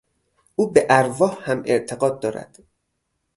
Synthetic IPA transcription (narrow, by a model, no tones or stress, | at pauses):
ʔuːbeʔæɾvɒːhhæmeɾt̪ʰeɢɒːd̪̚ːɒːɾæ̰d̪̥